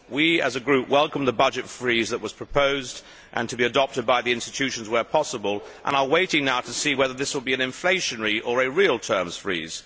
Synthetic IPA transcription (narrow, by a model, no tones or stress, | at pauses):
wiɨ̰zɨɡɹʉpwɛlˠkə̃mðəbʌd͡ʒɨtfɹizðəʔ̚wʌz̥pʰɹ̥əpʰoʊzd | ʔɨ̰̃ntʰɨbiɨdɑp̚tɨd̚baɪðiɪ̃nstɨ̥tʰʉʃn̩zwə˞pʰɑsəbəlˠʔə̰̃nə˞weɪɾɪ̃ŋnaʊɾɨsiwɛðə˞ðɪswəlˠbiɨ̃nɨ̃ɱfleɪʃɨ̃nɹiʔə˞ɨɹilˠtʰɜ̃˞mz̥fɹḭz̥